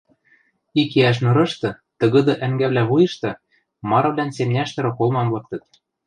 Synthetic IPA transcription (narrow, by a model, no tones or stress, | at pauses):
ikeæʃ̬nɤ̆ɾɤ̆ʃt̪ɤ̆ | t̪ɤ̆ɣɤ̆d̪ɤ̆ʔæŋɡæβlʲæβujɤ̆ʃt̪ɤ̆ | mɑɾɤ̆βlʲænsemnʲæʃt̪ɤ̆ɾɤ̆kolmɑmlˠɤ̆k̚t̪ɤ̆t̪̚